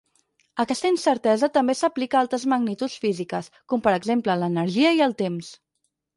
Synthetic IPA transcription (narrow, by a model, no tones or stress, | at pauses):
əkɛst̪əinsəɾt̪ɛzət̪əmbesəplikəalˠt̪ɾəzməɡnit̪ut͡sfizikəs | kɔmpəɾəɡzemplələnəɾʒiəiəlˠt̪ems